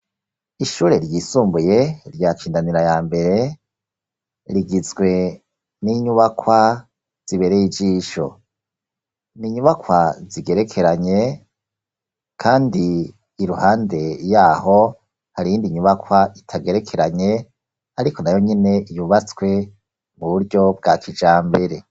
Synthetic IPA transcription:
iʃuːɾe̞ɾjiːsuːmbuje̞ɾjaːt͡ʃiːndaniɾajaːmbe̞ɾe̞ | ɾiɡizɡwe̞ | niɲuβakʰwa | z̥iβe̞ɾejid͡ʒiːʃo̞̰ | niɲuβakwaziɡe̞ɾe̞kʰe̞ɾaɲe̞ | kʰaːndiː | ɾuhaːnde̞jaːɦo̞ | haɾijiːndiɲuβakʰwaitʰaɡeɾe̞kʰe̞ɾaɲe̞ | aɾiko̞najo̞ɲine̞ijuβat͡skwe̞ | muβuɾɟo̞b̚ɡakid͡ʒaːmbe̞ɾe̞

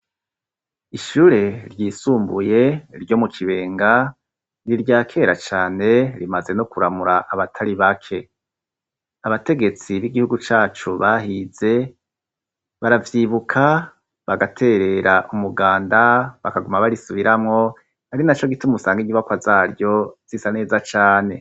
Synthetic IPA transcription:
iʃuɾe̞ɾjiːsuːmbuje̞ɾɟo̞mukʰiβe̞ːŋɡa | niɾɟaːkʰe̞ɾat͡ʃaːne̞ɾimaze̞nokuɾamuɾaʔaβatʰaɾiβakʰe̞ | aβate̞ɡe̞t͡siβiɡihuɡut͡ʃaːt͡ʃuβaɦize̞ | βaɾavjiβukʰa | βaɡatʰe̞ɾe̞ɾaʔumuɡaːndaβakaɡumaβaɾisuβiɾamŋo̞ | haɾinat͡ʃo̞ɡitumusaːŋɡiɲiβakwazaːɾjo̞z̥isane̞ːzat͡ʃaːne̞

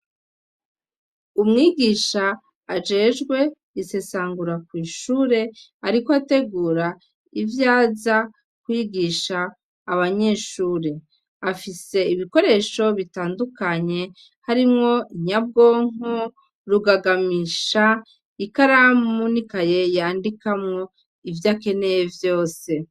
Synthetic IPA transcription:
umŋiːɡiːʃaː | d͡ʒe̞ːʒɡwe̞ | ise̞saːŋɡuɾakwiːʃuːɾe̞ | aɾikoate̞ɡuːɾa | ivjaːza | kwiɡiʃaː | βaɲe̞ʃuːɾe̞ | afise̞iβiko̞ɾe̞ʃo̞βitaːndukaɲe̞ | haɾimŋo̞iɲab̚ɡo̞ːŋ̥o | ɾuɡaɡamiʃa | ikaɾamunikaje̞jaːndikamŋo | ivjaːke̞ne̞jevjo̞ːse̞

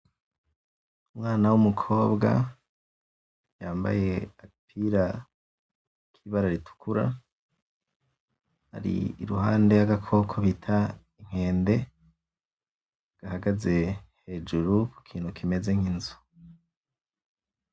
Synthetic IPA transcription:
umŋaːnawumukʰo̞ːbɡa̰ | jaːmba̰je̞apʰiɾa | kʰiβaɾaɾitʰu̥kʰuɾa̰ | ha̰ɾḭiɾuɦa̰ːnde̞aɡakʰo̞kʰoβitʰa | iŋ̥e̞ːnde̞ | ɡ̥ahaɡaze̞he̞ːd͡ʒuɾuku̥kʰiːnhukʰime̞zeŋ̥hinzu̥

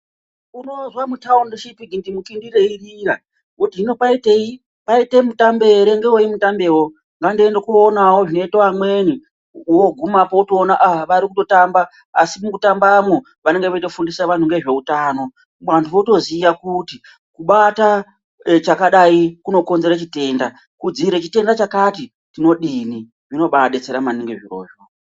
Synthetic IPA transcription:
uno̞zwamutaundoʃipiɡindimukindireirira | otiino̞paite̞i | paite̞mutambe̞ɾe̞ŋɡeoimutambe̞wo | ŋɡandendokuonawoʐino̞itoamweni | woɡʱumapoutoːnaʔaʋaɾikuto̞tamba | a̰simukutambamwo | ʋane̞ŋɡeʋeito̞fundisaʋan̤uŋɡe̞ʐe̞utaːno̞ | mantʰuʋoto̞zijakuti | kuɓata | t͡ʃakaɗaikuno̞ko̞nze̞ɾat͡ʃite̞ːnda | kud͡ziɾet͡ʃite̞ndat͡ʃakati | tino̞ɗini | ʐino̞ɓaɗe̞t͡se̞ɾamaniŋɡeʐiro̞̰ːʐo

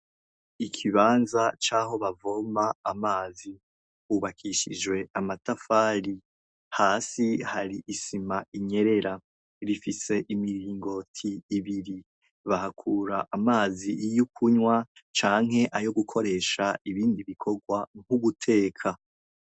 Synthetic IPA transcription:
ikʰiβaːnzat͡ʃaːho̞βavo̞maːmaːzi | huːβakʰiʃḭd͡ʒwe̞amatafaːɾi | haːsihaɾiʔisimaiɲe̞ɾe̞ɾa | ɾifise̞ʔimiɾiːŋɡo̞tʰiːβiɾi | βahakʰuːɾaʔamaːzijukʰuɲwat͡ʃaːŋ̥ɦe̞ʔajo̞ɡukʰo̞ɾe̞ːʃaiβiːndiβikʰo̞ɡwaŋ̥uβutʰe̞ːkʰa

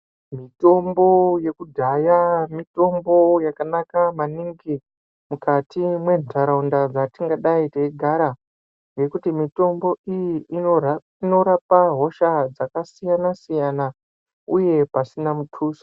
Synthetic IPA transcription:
mito̞mbo̞je̞kudʱajamito̞mbo̞jakanakamaniŋɡi | mukatimwe̞ntʰaɾaundad͡zatiŋɡaɗaiteiɡʱaɾa | ŋɡe̞kutimito̞mbo̞ijiː | ino̞ɾapaɦo̞ʃad͡zakasijanasijana | uje̞pasinamutʰuːso̥

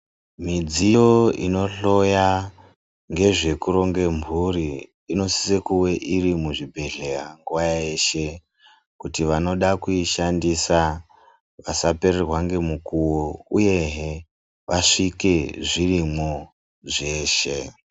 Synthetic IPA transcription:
mid͡zijo̞ḭno̞ɬo̞ja | ŋɡe̞ʐe̞kuɾo̞ŋɡe̞mbʱuɾiː | no̞si̥sekuwe̞ʔirimuʐibʱe̞ɮeraŋɡuʋajae̞ʃe̞ | kutiʋano̞ɗakuiʃandisa | ʋasape̞rerwaŋɡe̞mukuwouje̞ɦe | ʋʔaʂike̞ʐirimo | ʐe̞ːʃe̞

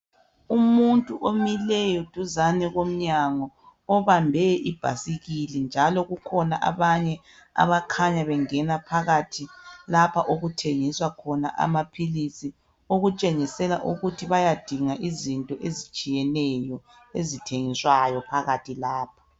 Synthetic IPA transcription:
umuntʼuʔomilɛjɔd̥ʱuzanɛɣom̩ɲaŋɔː | βambʱɛʔib̥ʱa̰siɣilɛnd͡ʒʱalɔɣukʰɔnaʔa̰βaɲɛ | a̰βakʰaɲaβɛŋɛnapʰaɣatʰilapʰaʔoɣutʰeŋiswakʰɔna̰ʔa̰mapʰilisi | oɣut͡ʃʼeŋisɛlaʔuɣutʰiβajad̥ʱiŋaʔizintʼɔʔezit͡ʃʼijɛnɛjɔ | ezitʰeŋiswajɔpʰaɣatʰilaːp̚ʰḁ

